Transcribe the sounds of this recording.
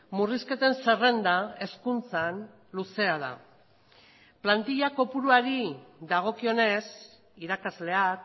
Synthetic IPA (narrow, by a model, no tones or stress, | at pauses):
muriske̞t̪e̞nse̞re̞nd̪ae̞skunt͡san | luse̞að̞a̰ | plant̪iʎako̞puɾuaɾiðaɣ̞o̞kio̞ne̞s | iɾakazle̞ak